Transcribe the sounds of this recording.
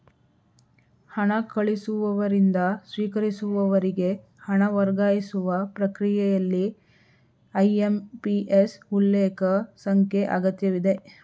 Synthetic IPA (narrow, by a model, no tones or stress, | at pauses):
hɐɳɐkɐɭisuʋɐʋɐɾind̪ɐsʋiːkɐɾisuʋɐʋɐɾiɡe̞ | hɐɳɐʋɐɾɡaːjisuʋɐpɾɐkɾijɛjɐlːi | ɐjempiʔesulːeːkɐsɐŋkjeʔɐ̰ɡɐt̪jɐʋid̪e̞